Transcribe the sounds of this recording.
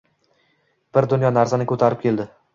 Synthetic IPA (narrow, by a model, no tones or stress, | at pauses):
b̥ɪɾd̪ʊnjɒnaɾsanɪkʲʰɵt̪ʰaɾɪp̚kʲe̞ld̪ɪ